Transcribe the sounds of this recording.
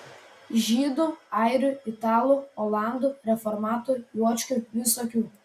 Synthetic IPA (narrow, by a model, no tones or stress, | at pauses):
ʒʲiːd̪ʊɑˑɪɾʲʊɪt̪ɑːlˠuɔlˠɑˑnd̪uɾʲɛfɔɾmɑːt̪oɾʲujuɔt͡ʃʲkʲʊʋʲɪsoːkʲuː